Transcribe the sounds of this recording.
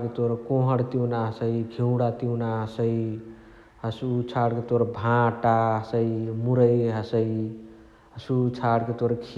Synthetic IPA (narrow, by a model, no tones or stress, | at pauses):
ket̪oɾkoɦəɽt̪iwnaɦəsəiɡʱiw̃ɽat̪iwnaɦəsəj | ɦəsut͡ʃʰaɽket̪oɾbʱãʈaɦəsəimuɾəjɦəsəi | ɦəsut͡ʃʰaɽket̪oɾkʰ